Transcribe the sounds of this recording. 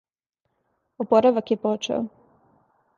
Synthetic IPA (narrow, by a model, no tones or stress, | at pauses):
opoɾaʋakjepot͡ʃḛo̰